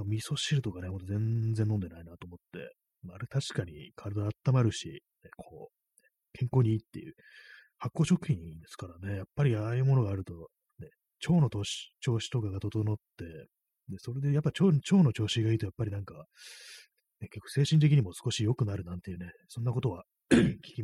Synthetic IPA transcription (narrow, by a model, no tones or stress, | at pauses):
amʲiso̞ɕiɾɯ̟t̪o̞kanemo̞t̪oẽ̞nd͡ze̞nːõ̞nd̪e̞nainat̪o̞ːmo̞t̪ːe̞̰ | maaɾet̪aɕi̥kaɲ̟ḭkʰaɾɯd̪aaːt̪ːamaɾɯ̟ɕḭnekʰo̞̰ː | ne | kʰẽ̞ŋko̞ːɲ̟iiːt̪ːe̞̰jɯ̟̰ | hakːo̞ːɕo̞kɯ̟̥çʲĩɲĩnd̪e̞sɨ̥kaɾane̞japːaɾʲiaːjɯ̟ːmo̞no̞ɡaːɾɯ̟t̪o̞ | ne̞ | t͡ɕo̞ːno̞t̪oːɕi̥t͡ɕo̞ːɕi̥t̪o̞kaɡat̪o̞t̪o̞not̪ːe̞ | d̪e̞so̞ɾe̞d̪ejapːat͡ɕoːt͡ɕo̞ːno̞t͡ɕo̞ːɕiɡaiːt̪ojapːaɾʲinãŋka | nekekːo̥se̞ːɕĩnt̪̬eiɲ̟imo̞sɨ̥ko̞ɕijo̞kɯ̟naɾɯ̟nãnt̪e̞jɯ̟ne̞sõ̞nːako̞t̪o̞βa | kʲi̥kʲi